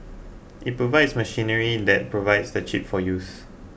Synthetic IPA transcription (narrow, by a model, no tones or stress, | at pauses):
ʔit̚pɹovaɪdsməʃĩnəɹidɛt̚pɹovaɪdsdət͡ʃip̚fɔjus